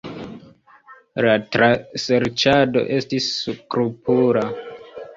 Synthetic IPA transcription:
latɾase̞ɾt͡ʃado̞̰ʔe̞stiskɾupuɾa

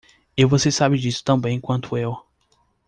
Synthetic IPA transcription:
ewvosesabɪd͡ʒisʊ̥t̪ɐ̃bẽj̃kwɐ̃nt̪ʰʊew

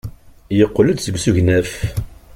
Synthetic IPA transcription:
jəqːləd̪səbsuʝnæf

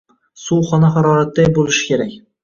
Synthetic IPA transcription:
suχɒnaχaɾɒːɾat̪̚d̪ajbolˠɪʃɪ̥kʲe̞ɾakʲ

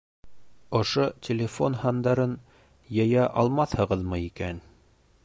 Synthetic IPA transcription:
ŏʃotʲɪlʲɪfo̞nhɑnd̪ɑɾɤn | jɤ̆jɑʔɑlˠmɑθhɤ̆ʁɤðmɤikæn

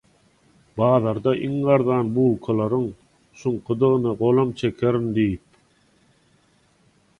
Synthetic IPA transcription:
bɑːðɑɾd̪ɑʔiŋɢɑɾðɑːnbuːlˠkʰɑlˠɑɾɯŋ | ʃuɴqʰɯd̪ɯʁɯnɯɢolˠɑmt͡ʃʰekʲʰeɾind̪ijip̚

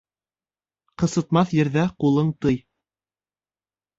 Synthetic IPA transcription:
qɤ̆sɤ̆t̪mɑθjɘ̆ɾðæqulˠɤɴt̪ɤj

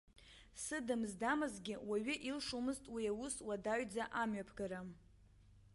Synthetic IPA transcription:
sɨdɨmzdamɨzɡʲɪwaɥɪʔilʂumɨztʼwiawuswadaɥd͡zaʔamɥapʰɡaɾam

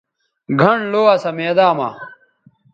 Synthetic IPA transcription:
ɡʱɐɳloːɐsɐmeːd̪aːma̰

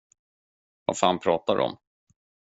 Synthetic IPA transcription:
va̰faːnpʰɾɑːt̪adɔ̰m

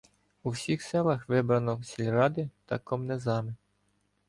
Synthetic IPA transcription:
uwsʲixsɛlˠɐxʋɪbɾɐnɔsʲilʲɾɑd̪ɪt̪ɐkɔmnɛzɑmɪ

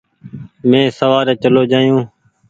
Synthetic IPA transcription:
mẽːsəʋaːɾeːt͡ʃəloːd͡ʒaːjũː

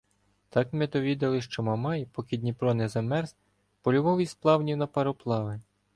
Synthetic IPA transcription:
t̪ɑkmɛd̪ɔʋʲid̪ɐlˠɪʃt͡ʃɔmɐmɑjpɔkʲid̪ʲnʲipɾɔnɛzɐmɛrz | pɔlʲʊʋɔʋijsplˠɑwnʲiwnɐpɐɾɔplˠɑʋɪ

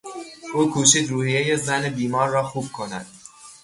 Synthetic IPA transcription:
ʔuːkʰuːʃiːd̪ɾuːhijejezænebiːmɒːɾːɒːxuːb̥̚kʰo̞næ̰d̪̥̚

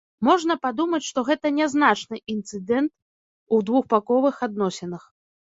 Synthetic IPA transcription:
mɔʐnɐpad̪umɐt͡sʲʂt̪ɔɣɛt̪ɐnʲɛznat͡ʂnɨʔint̪sɨd̪ɛnt̪̚ | ud̪vuxpakɔvɨxad̪nɔsʲɛnɐx

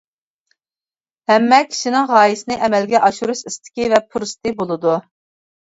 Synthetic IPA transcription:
hɛmːɛkʲʰi̥ʃinɪŋʁɑːjisɪnɨʔɛmɛlɡʲɛʔɑʃuɾuʃist̪ʰɪ̥kʲivɛpʰuɾst̪ɨbolˠɨd̪u

